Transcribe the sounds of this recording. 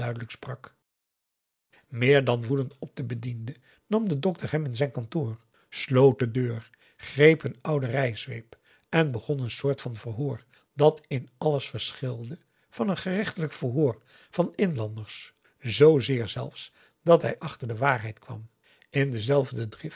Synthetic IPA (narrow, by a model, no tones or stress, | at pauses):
œɥdələksprɑk | mɪːɹdɑnʋudəntɔp̚dəbədində | nɑmdədɔk̚təɹɦɛmɪnzɛjnkɑntoːr | slowt̚dədøːr | χrejpənʌwdərɛjsʋḛjp | ʔɛnbəχɔnənsʊːɹtfɑnvərɦʊːɹ | d̥ɑtɪnɑləsfəɹsχɪlˠdə | v̥ɑnənχərɪχtələkfəɦʊːɹ | v̥ɑnɪnlɑndəɹs | zowzɪːɹzɛ̰lˠfs | d̥ɑtɦɛjʔɑχtəɹdəʋaːɹɦɛjtkʋɑ̰m | ɪndəzɛlˠvdədrɪf